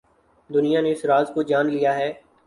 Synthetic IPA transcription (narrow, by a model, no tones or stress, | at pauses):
d̪ʊnijaneɪsɾaːzkod͡ʒaːnlijaɦɛː